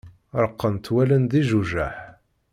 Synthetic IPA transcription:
ɾˤəqːənt̪wælənd̪iʒuʒæ̰ħ

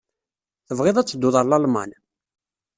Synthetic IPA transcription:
θəvʁɪðˤæt͡sːəd̪ːʊðˤəlɑlmɑ̰n

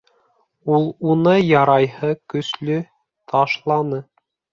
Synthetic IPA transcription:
ulˠunɤjɑɾɑjhɤkɵ̆slɵ | t̪ʰɑʃlˠɑnɤ

